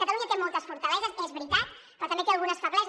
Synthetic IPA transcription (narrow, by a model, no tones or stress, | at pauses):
kat̪aluɲat̪emɔlˠt̪əsfuɾt̪ɐlɛzəsezβɾit̪at̪ | kət̪ɐmek̪ealˠɣunəsfəβlɛz